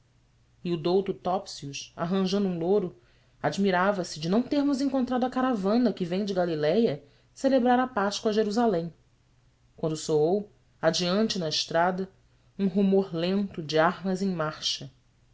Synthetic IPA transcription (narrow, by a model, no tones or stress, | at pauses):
ɪud̪owt̪ʊt̪ɔpsiuʃa̰ɦɐ̃ʒɐ̃nd̪ʊũloɾʊ | ad͡ʒmiɾavɐsɪd͡ʒɪnɐ̃w̃t̪eɾmʊzẽŋkõnt̪ɾad̪ʊɐkaɾavɐ̃nɐkɪvẽj̃d͡ʒɪɡalilɛjɐ | selebɾaɾɐpaʃkwɐʒeɾuzalẽj̃ | kwɐ̃nd̪ʊsoow | ad͡ʒiɐ̃nt͡ʃɪnɐɪʃt̪ɾad̪ɐ | ũɦumoɾlẽnt̪ʊd͡ʒɪaɾmɐzẽj̃maɾʃɐ